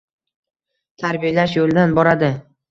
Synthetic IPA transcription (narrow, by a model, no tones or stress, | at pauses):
t̪ʰaɾbijlaʃjolɪd̪anbɒɾad̪ɪ